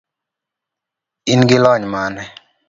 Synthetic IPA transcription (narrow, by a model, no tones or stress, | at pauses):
inɡɪlɔɲmanɛ